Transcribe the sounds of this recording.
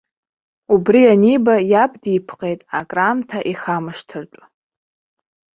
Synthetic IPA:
ubrianibajapdipʰqʼe̞jtʼakʼramtʰaʔiχamɨʂtʰɨrt͡ʃʷʼ

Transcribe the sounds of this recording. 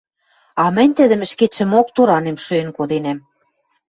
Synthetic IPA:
ɑmɘ̆nʲt̪ə̆d̪ə̆mɘ̆ʃket͡ɕɘ̆mok̚t̪uɾɑnemʃøĕnkod̪enæm

